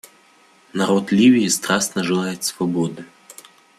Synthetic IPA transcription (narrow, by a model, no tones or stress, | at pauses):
nɐɾɔt̪lʲivʲijist̪ɾasnɐʐɨlˠajet̪ʲsvɐbɔd̪ɨ